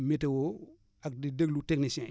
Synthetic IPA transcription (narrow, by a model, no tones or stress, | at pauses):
metewo | ak̚dideklutek̚nisɛ̃